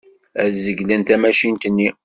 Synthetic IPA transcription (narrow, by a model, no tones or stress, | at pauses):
æðzəɡlænt̪æmæʃint̪ənːi